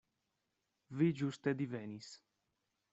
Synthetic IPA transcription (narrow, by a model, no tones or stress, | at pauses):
vid͡ʒust̪ed̪ivɛnis